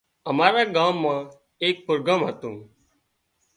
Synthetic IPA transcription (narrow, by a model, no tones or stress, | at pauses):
əmaːɾaːɡaːmːãː | eːk̚pɾoɡaːmɦət̪ũː